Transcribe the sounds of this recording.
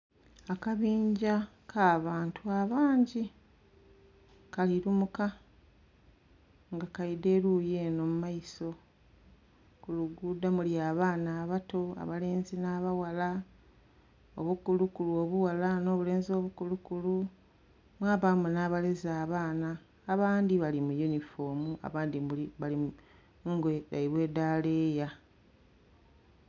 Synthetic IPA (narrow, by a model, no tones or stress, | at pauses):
akaβiːɲɟakʰaːβaːntʰuaβaːɲɟi | kaliɾumuka | ŋɡakaide̞ːɾuːje̞ːno̞mumaiso̞ | kuluɡuːdamuljaːβaːnaːβato̞a̰βale̞ːnzinaːβawala | o̰βukulukuluo̞βuwalano̞ːβule̞ːnzo̞ːβukulukulu | mwaːβamunaːβalezaːβaːnaː | βaːndiβalimujunifo̞ːmua̰βaːndimuliβali | muŋɡeɾa̰iβwe̞ːdaːle̞ja